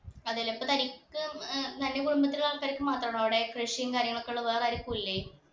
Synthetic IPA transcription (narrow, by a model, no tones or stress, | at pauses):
ɐðilːɐmipːot̪ɐɾikʲːɨt̪ɐnːekuɽumbɐt̪ːiɐɭaːɭkːaːɾikʲːɨmaːt̪rɐɳɐʋɽekreʂijɐŋkaːɾjɐŋːɐɭo̞kːeuɭːeʋeːrɐɾikːuilːe